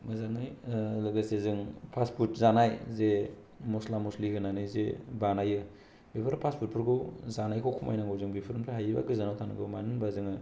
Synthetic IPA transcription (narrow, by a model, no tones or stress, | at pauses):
mazaŋɯjlɯɡɯsezɯŋpʰaspʰut̚zanajze | mɔslamuslihɯnanɯjzebanajɯ | bipʰɯɾpʰaspʰut̚pʰɯɾɡɯwzanajkʰawkʰuma̰jnaŋɡawzɯŋbipʰɯɾɯmtʰaɦajiba̰ɡɯzanawtʰanɯ̰ɡɯ̰manɯnbazɯŋɯ